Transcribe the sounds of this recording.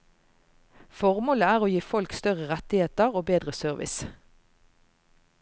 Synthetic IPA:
fɔʁmoːləæːʁoːjiːfɔlkst̪œʁəʁɛt̪ɪheːt̪əʁoːbeːd̪ʁəsœʁʋʔɪ̰s

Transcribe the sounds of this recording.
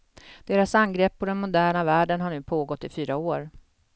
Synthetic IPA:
d̪̥eːɾasanːɡɾɛpːɔd̪ɛnmʊd̪æːɳavæːɖənɦaɳʉ̟ːpʰoːɡɔt̪ːɪfyːɾaoːɾ

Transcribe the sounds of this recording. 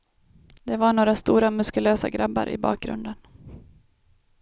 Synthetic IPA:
d̪ɛvaɳoːɾast̪uːɾamɵskɵløːsa̰ɡɾabːa̰ɾʔɪ̰bɑ̰ːk̚ɡɾɵ̰nd̪ən

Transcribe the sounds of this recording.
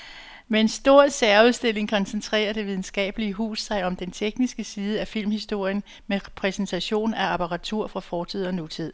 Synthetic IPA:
mee̝nsd̥o̝ɐ̰sæɐuðˠsd̥e̝l̰e̝ŋkʰɒ̽nsent͡sʰʁɛ̰ːɐɾ̥e̝ʋið̞ˠn̩sɡ̥ɛ̰ːb̥əliəɦṵːsːɑ̈ɪɒ̽md̥ent͡sʰeɡ̥nisɡ̥əsiːð̞̩ˠəæfil̰mhisd̥o̝ɐ̰jən | meʁpʰʁɛsent͡sʰæɕo̝̰ːnæɑpʰɑʁɑ̈t͡sʰuɐ̰fʁɑ̈fɒːt͡sʰið̞̰ˠɒ̽nut͡sʰið̞̰ˠ

